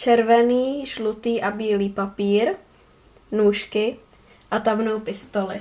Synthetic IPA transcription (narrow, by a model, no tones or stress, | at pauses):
t͡ʃɛɾvɛniːʒlut̪iːʔabiːliːpapiːɾ | nuːʃkɪ | ʔat̪abnowpɪst̪olɪ̰